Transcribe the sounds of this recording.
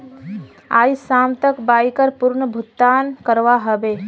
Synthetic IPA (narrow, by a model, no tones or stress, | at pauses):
aːisaːmt̪əkbaːjkəɾpʊɾɳəbʱʊt̪ːaːnkəɾʋaɦəbeː